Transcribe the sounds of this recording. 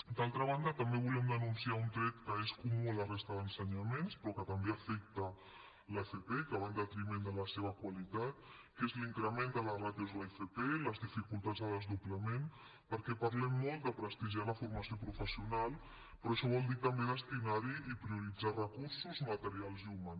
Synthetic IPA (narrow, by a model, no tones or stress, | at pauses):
d̪alˠt̪ɾəβ̞and̪ət̪əmbeβulɛmd̪ənunsiaunt̪ɾɛt̪kəeskumulərest̪əðənsəɲamenspɾɔkət̪əmbeafɛk̚t̪ə | lefepeikəβand̪ət̪ɾimend̪ələseβəkwalit̪at̪̚kezliŋkɾəmend̪ələraðjuzlaefepeləzðifikulˠt̪ad͡zðəðəzðupləmen | pəɾkɛpɐɾlɛmːɔlˠt̪d̪əpɾəst̪iʒialəfuɾmasiopɾufəsiunalˠ | pɾɔɐʃɔβ̞ɔlˠd̪it̪əmbeðəst̪inaɾiipɾiuɾid͡zarəkuɾsuzmət̪əɾialˠzuman